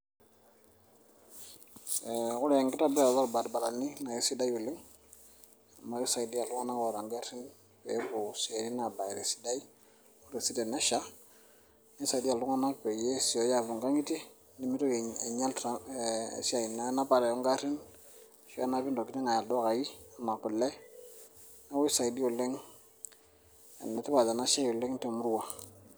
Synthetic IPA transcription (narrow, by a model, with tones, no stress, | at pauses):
kʊ˦ɾɛ˨ŋɡɪ˦ta˦bɛ˦a˨lba˦lba˨ɾba˨la˨ni˦na˨ke˦si˦da˦ju˨li˦ŋ | a˨ma˦ki˦sa˨i˨di˦a˨lu˦ŋa˦na˦kɔ˨ɾa˨ŋɡa˦ɾi˦n | pɛ˦bu˨se˨ɾi˦na˨ba˨ɾɛ˨si̥˦da˦j | u˦ɾe˨si˦dɛ˨na˦ʃa˦ | ni˦sa˨i˨di˦a˨lu˦ŋa˦na˦pɛ˨je˦si˨jɔ˨˦ja˦˨bu˨ŋɡa˦ŋi˦ti˦ | ni˦mi˦to˦˨e˨ɲa˦lta̰˦˨si˦a˨i˨na˦na˦ba˨ɾa˨jɔ˦ŋɡa˦ɾi˦n˨ | ʃɔ˦a˦na˦bi˦ndɔ˨ki˦ni˦ŋa˨ja˨ldɔ˦ka˨ji˦a˨ma˨ku˨lːɛ˦ | na˦wɔ˦sa˨di˦ɔ˨lɛ˦ŋ˨ | nɛ˨ti˦ba˨da˨na˦ʃa˦jɔ˨lɛ˦ŋ˦tɛ˨mu˦ɾu˦wa˨